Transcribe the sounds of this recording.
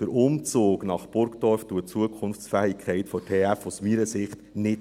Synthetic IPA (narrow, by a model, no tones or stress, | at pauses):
d̥əɾʔʊmt͡soːɡnɑχpʊɾkdɔɾftuət͡suəkʰχʊnft͡sfæːikʰχɛɪtfɔtʰeːæfusmiːɾəsɪχtnɪt